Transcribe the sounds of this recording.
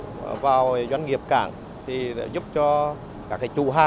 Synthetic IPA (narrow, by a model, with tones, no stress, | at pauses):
vaː˨˩wzwa˧jŋ̟ŋi˨˩əp̚ka̰ː˧˩ŋ | t̪ʰi˨˩lɛ̰ː˧˥zu˦˥p̚t͡ɕɔ˧ | kaː˦˥k̚ːaː˧˦jt͡ɕṵ˧˩ɦaː˧